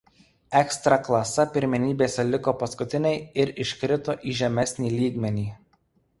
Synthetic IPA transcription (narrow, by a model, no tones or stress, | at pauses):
ɛkst̪ɾɐklˠɐsɐpʲɪɾʲmʲɛnʲiːbʲeːsʲɛlʲɪkoːpɐskʊt̪ʲɪnʲɛɪɪɾɪʃʲkɾʲɪt̪oːʔiːʒʲɛmʲɛsʲnʲiːlʲiːɡmʲɛnʲiː